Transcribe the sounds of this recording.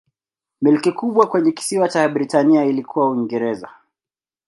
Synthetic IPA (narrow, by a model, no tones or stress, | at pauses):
milkikuɓwakwɛɲɛki̥siwat͡ʃaɓɾitaniailikʰuwawiŋɡɛɾɛza̰